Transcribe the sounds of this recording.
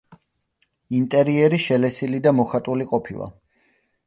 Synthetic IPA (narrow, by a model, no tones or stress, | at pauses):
int̪ʼɛɾiɛɾiʃɛlɛsilid̪amɔχat̪ʼuliqʼɔpʰilˠa̰